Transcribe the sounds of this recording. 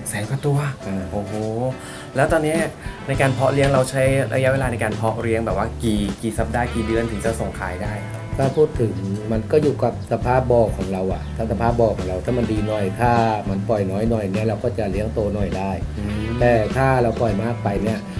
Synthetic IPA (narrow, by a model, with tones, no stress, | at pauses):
sɛː˨˩˦wka˧˩t̪u˧ɐʔaː˧˩ʔoː˧˩hoː˧˦ | lɛː˦˥wt̪ɔː˧nːi˦˥na˧jkaː˧npʰɔ˦˥ɾi˦˥əŋɾa˧wt͡ɕʰa˦˥jɾa̰˧ja˦˥weː˧lːna˧jkaː˧npʰɔ˦˥ʔɾi˧˥əŋbɛː˨˩p̚waː˥˩kiː˨˩kiː˨˩sa˨˩p̚daː˧˩kiː˨˩dɯ˧ənt̪ɯ˨˩˦ŋt͡ɕa˨˧˩so˨˩ŋkʰaː˨˩˦jdaː˥˩j | t̪ʰaː˥˩pʰuː˥˩t̪ʰːɯ˩˦ŋma˧nkɔː˥˩juː˨˩ka˨˩p̚sa˧pʰaː˥˩p̚bɔː˧˩kʰːɔː˩˦ŋɾa˧wʔa˨˩t̪ʰa˧˥˩sa˧pʰaː˥˩p̚bɔː˧˩kʰɔː˩˦ŋɾa˧wt̪ʰaː˥˩ma˧ndiː˧nɔ˨˩jt̪ʰaː˥˩ma˧npɔ˨˩jnɔː˦˥jnɔ˨˩jni˦˥ɐɾa˧wkɔː˥˩t͡ɕa˨˩li˦˥əŋt̪oː˧nɔ˨˩jdaː˥˩jt̪ɛː˨˩t̪ʰaː˥˩ɾa˧wpɔ˨˩jmaː˥˩k̚pa˧jni˦˥˩ɐ